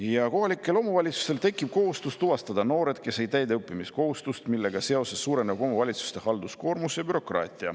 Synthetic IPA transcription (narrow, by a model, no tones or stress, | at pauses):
jɑko̞ɦɑlʲikːˑe̞lo̞muvɑlʲit̪su̥st̪e̞lt̪e̞kːˑib̥̚ko̞ɦust̪ust̪uvɑst̪ɑd̪ɑno̞ːɾe̞d̪̥ke̞sejt̪æjd̪eɤpːˑimisko̞hust̪ust̪milːe̞ɡ̥ɑseo̞se̞sːuːɾe̞nevɑbo̞muvɑlʲit̪su̥st̪e̞hɑld̪usko̞ːɾmusjɑbyɾo̞krɑ̰ːt̪ʲˑiɑ̰